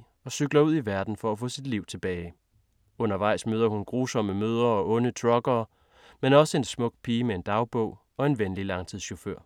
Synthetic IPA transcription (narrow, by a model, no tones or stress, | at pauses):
ɒ̽syɡ̥lɐuð̞̰ˠiʋæɐd̥n̩fɒ̽æfɔ̰̽ːsid̥liʊ̰t͡sʰe̝b̥ɛːɪ | ɔ̽nɐʋɑ̈ɪ̰smøːð̞ˠɐhunɡ̥ʁuːsɒ̽məmøð̞ˠɐɒ̽ʔɔ̽nət͡sʰʁɒ̽ɡ̥ɐː | menɒ̽səe̝nsmɔ̽ɡ̥̚pʰiːmee̝nd̥ɑ̈ʊb̥ɔ̰ʊ | ɒ̽e̝nʋenlilɑ̈ŋt͡sʰið̰ˠɕoføɐ̰